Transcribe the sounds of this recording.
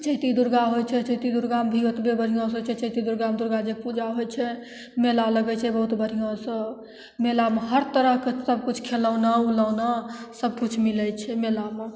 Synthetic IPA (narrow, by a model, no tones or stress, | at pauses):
t͡ʃəɦt̪id̪uɾɡaɦojt͡ʃʰɛt͡ʃəɦt̪id̪uɾɡambʱiot̪bebəɾ̤ʱijãs̬ət͡ʃʰɛt͡ʃəɦt̪id̪uɾɡamd̪uɾɡad͡ʒepud͡ʒaɦojt͡ʃʰɛ | melaləɡɛt͡ʃʰɛbəɦut̪bəɽ̤ʱijãsə̃ | melameɦəɾt̪əɾəɦkesəb̚kut͡ʃʰkʰeləʊnaulənasəb̚kut͡ʃʰmilɛt͡ʃʰɛmelame